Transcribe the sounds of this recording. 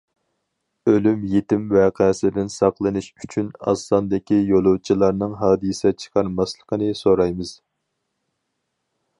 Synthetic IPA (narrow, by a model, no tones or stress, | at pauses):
ølymjet̪ɪmwɛqʰɛsd̪ɪnsɑqlˠɨnɨʃyt͡ʃʰynɑ̰slˠɑnd̪ɪkʲijolˠut͡ʃʰilˠɑɾnɨŋɦɑːd̪ɨsɛt͡ʃʰə̥qʰɑɾmɑslˠəqʰənɨsoɾɑjmɨz̥